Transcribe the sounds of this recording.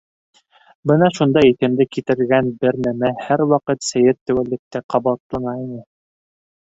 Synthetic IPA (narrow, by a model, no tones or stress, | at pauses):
bɤnɑʃund̪ɑiθɘ̆md̪ɘkit̪ɘ̆ɾɡænbɘɾnæmæhæɾwɑqɤt̪sæjɘt̪ːæ̆wælːɘ̆k̚t̪æqʰɑβɑt̪lˠɑnɑinɤ